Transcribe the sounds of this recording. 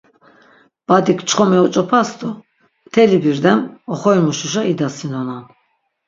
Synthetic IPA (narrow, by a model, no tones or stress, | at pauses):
b̥ad̪ikt͡ʃʰχɔmɛɔt͡ʃʼɔpʰasd̪ɔ | t̪ʰɛlibiɾd̪ɛmɔχɔjmuʃuʃaid̪asinɔnan